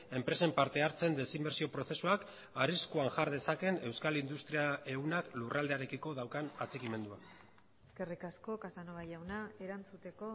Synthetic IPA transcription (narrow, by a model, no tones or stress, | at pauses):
e̞mpɾe̞se̞mpaɾt̪e̞aɾt͡se̞nd̪e̞simbe̞ɾsio̞pɾo̞θe̞suak | ariskuanʝaɾðe̞sake̞ne̞wskalind̪ust̪ɾiae̞unaklurʔald̪e̞aɾe̞kiko̞ðawkanat͡sekime̞nd̪ua | eske̞rikasko̞kasanoβajawnae̞ɾant͡sut̪e̞ko̞